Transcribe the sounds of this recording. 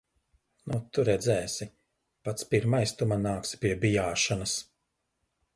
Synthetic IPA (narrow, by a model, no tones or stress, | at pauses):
nut̪uɾɛd̪zɛːsi | pat̪spiɾmajst̪umanaːksi̥pʲiɛbijaːʃanɐs